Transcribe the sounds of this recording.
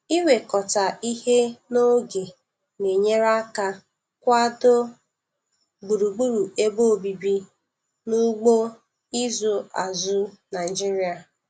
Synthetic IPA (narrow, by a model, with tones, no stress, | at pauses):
i˦we˨kɔ˨ta˨i˦he˦no˦ɡe˨ | ne˨ɲe˦ɾa˦ka˦ | kʷa˦dʊ˦ | ɡ͡bu˨ɾu˨ɡ͡bu˦ɾu˨e˦bo˦˨bi˨bi˦ | nu˦ɡ͡bo˦ | i˦zu˨a˨zʊ˦na˨d͡ʒi˦ɾi˦a˨